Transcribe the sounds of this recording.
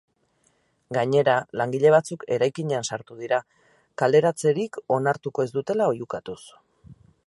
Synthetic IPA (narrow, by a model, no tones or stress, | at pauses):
ɡaɲe̞ɾalaŋɡiʎe̞β̞at͡suke̞ɾajkiɲe̞ansaɾt̪uð̞iɾa | kald̪e̞ɾat͡se̞ɾiko̞naɾt̪uko̞e̞zd̪ut̪e̞lao̞jukat̪us